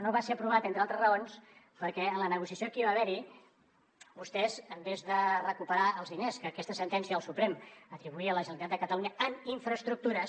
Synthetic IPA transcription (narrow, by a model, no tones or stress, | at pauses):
noβaseɾəpɾuβat̪ent̪ɾalˠt̪ɾəzrəons | pəɾkɛənlənəɣusiəsjokiβaβɛɾi | βust̪ɛzəmbezðərəkupəɾaəlˠzðineskəːkɛst̪əsənt̪ɛnsiəəlˠsupɾemət̪ɾiβuiələʒənlit̪at̪d̪d̪əkət̪əluɲəəmiɱfɾəst̪ɾuk̚t̪uɾə